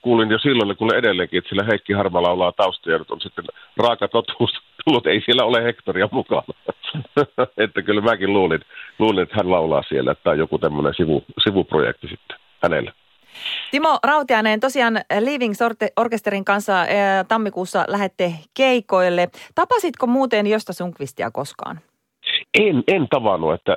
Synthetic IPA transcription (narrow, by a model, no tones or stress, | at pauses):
kuːlinjosilːonekuloʔʔedelːeːŋkˑiʔet̪ːsielːæheˑikːihɑrmɑlɑˑulɑːt̪ɑˑust̪ɑjɑnyt̪onsit̪ːenrɑːkɑt̪ot̪uːsɑ̥t̪ulːut̪eˑisielːæolehekt̪oriɑmukɑ̰nɑ | et̪ːækylmækilluːlinluːlinet̪ːæhænlɑˑulɑ̰ːsielːæ̰et̪ːˑæˑojokut̪æmːonḛnsiʋṵsiʋupro̰jḛk̚t̪isit̪ːe̥ | hænḛlːæ | t̪imorɑut̪iɑnent̪osiɑːnliːʋiŋsorteorkest̪eɾiŋkɑnsːɑt̪ɑmːikuːsːɑ̰læɦet̪ːekeikoilːet̪ɑpɑsit̪komuːt̪enjost̪ɑsuŋkʋist̪iæ̰koskɑ̰ːn | ʔenent̪ɑʋɑnːuet̪ːæ